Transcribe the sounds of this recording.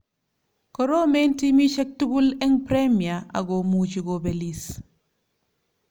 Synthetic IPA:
koɾomentimiʃek̚tuɡulɛŋpɾemiaa̰ɡomuːt͡ʃiɡobelis

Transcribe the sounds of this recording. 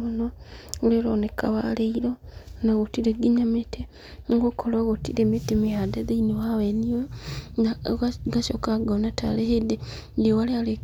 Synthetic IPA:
onoleloneka̰βaleiɾonaɣotiɾeɡiɲamete | ŋɡokʰoloɣotiɾemetemiadeðeiniwawenioaɡaʃokaɡonata̰lehede | ndiowaleale

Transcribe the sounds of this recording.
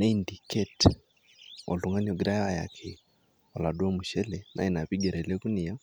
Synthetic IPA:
nɛindikɛt | ɔ̰luŋanɔɡɾaaja̰kʰɛ | walaɗuamuʃɛlɛna̰ɛnaβiɡɛɾɛlɛkunija

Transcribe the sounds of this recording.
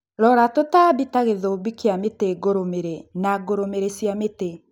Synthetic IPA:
ɾɔɾatotabitaɣeðoːbikeameteɡoɾomeɾenaɡoɾomeɾesjamete

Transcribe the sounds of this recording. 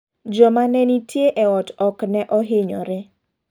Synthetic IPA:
d͡ʒɔmanɛnitjeʔɛɔtɔknɛʔɔɦeɲɔ̰ɾɛ

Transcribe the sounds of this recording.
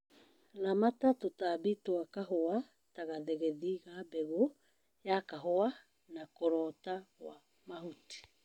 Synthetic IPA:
lamatatotabitoakaɦoa | taɣaðɛɣɛðiɣabɛɣo | jakaɦoa | nakoɾɔtawa | maɦuti̥

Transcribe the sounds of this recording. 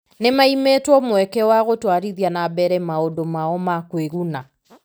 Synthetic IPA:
nemaimetwɔmwɛkɛwaɣotwaɾiðijanabɛɾɛmaodomaɔmakweɣuna

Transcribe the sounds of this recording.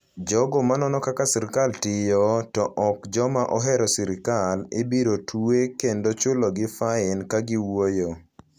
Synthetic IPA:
d͡ʒɔɡɔmanɔnɔkakasɪɾɪkaltɪjɔtɔʔɔkd͡ʒɔmaʔɔɦɛɾɔsɪɾɪkalɪ̰biɾotʰuekendot͡ʃʊloɡɪfaɪnkaɡɪwojo

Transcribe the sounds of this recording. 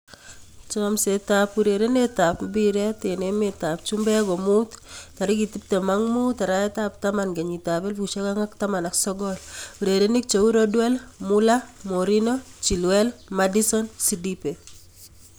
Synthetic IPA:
t͡ʃɔmsetapuɾeɾenetapmbiɾɛtenemetap̚t͡ʃumbɛɡɔmuttaɾikitip̚temaŋmutaɾaɛtap̚tamanɡeɲitabelbuʃekaŋaktamanaksɔɡɔluɾeɾenik̚t͡ʃouɾɔdwɛlmulamoɾinɔt͡ʃilwɛlmadisɔnsidipe

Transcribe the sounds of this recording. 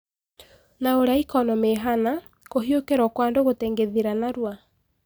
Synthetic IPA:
naoɾaikɔnɔmeɦana | koɦiokeɾɔkwaːndoɣoteŋɡeðiɾanaɾwa

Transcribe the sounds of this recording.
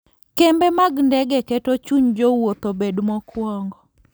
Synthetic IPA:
kɛmbɛmaɡndɛɡɛkɛtot͡ʃuɲd͡ʒowot̪obedmɔkʰwɔŋɡɔ

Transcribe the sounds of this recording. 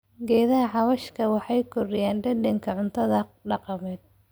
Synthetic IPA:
ɡɛːðɐɦɐħɑβɐʃkʰɐwɑħɑjkʰɔrɪjaːnɖɐdɛŋkʰɐʕʊnt̪ʰɐðɐɖɑqɑmɛːd̪̥̚

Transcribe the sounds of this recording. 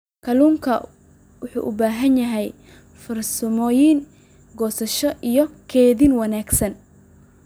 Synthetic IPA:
kʰɐluːŋkʰɐ | wʊħṵːʔʊbaːɦɐnjɐɦɛj | fɐrsɐmɔːjiːn | ɡɔːsɐʃɔʔijɔkʰɛːðiːnwɐnaːɡsɐn

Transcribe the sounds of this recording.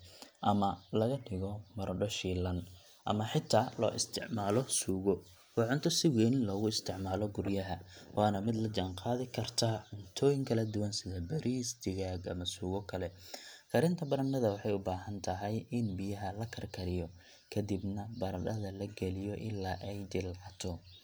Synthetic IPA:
ʔɐmɐlɐɣɐɗɪɣɔmɐɾɖɔʃiːlɐn | ʔɐ̰mɐħɪt̪ʰːaːlɔ̰ːʔɪst̪ʰɪʕmaːlɔsuːɣɔ | wɑːʕʊnt̪ʰɔsɪwɛnlɔːɣʊɪst̪ʰɪʕmaːlɔɡʊɾjɐɦɐwʔɑːnɐmɪd̪lɐd͡ʒanqɑːðɪkʰɐrt̪ʰaːʕʊnt̪ʰɔːjɪŋkʰɐlɐd̪ʊwɐnsɪðɐbɐɾʔiːst̪ʰɪɣaːɡɐ̰mɐsuːɣɔkʰɐlɛkʰɐɾɪnt̪ʰɐbɐɾɐnːɐðɐwɑħɑjʊbaːhɐnt̪ʰɐɦɛjɪnbijɐɦɐlɐkʰɐrkʰɐɾɪjɔ | kʰɐd̪ibnɐbɐɾɐɗɐðɐlɐɡɛlɪjɔʔɪlːaːʔɛjd̪ɪlʕɑt̪ʰɔ

